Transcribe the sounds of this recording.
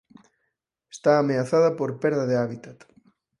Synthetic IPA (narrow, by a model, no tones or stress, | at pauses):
est̪aːmeaθaðɐpoɾpeɾðɐðeaβit̪at̪